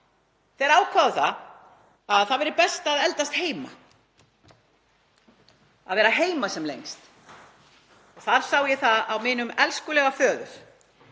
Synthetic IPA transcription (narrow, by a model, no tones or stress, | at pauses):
θɛɛɾaːwkʰvaːðʏθað | aðθaðvɛɾɪɾpɛst̪aðɛlt̪ast̪heːjma | aðvɛːɾaɦeːjmasɛmlḛjŋst̪ | ɔθaɾ̥sawjɛθaðawmɪːnʏmɛlskʏlɛɣafœːðʏɾ̥